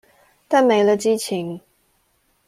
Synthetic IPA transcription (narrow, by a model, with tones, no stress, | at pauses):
t̪a˥˩nme˨˧˥ɪlə˧t͡ɕi˥t͡ɕʰi˨˧˥ŋ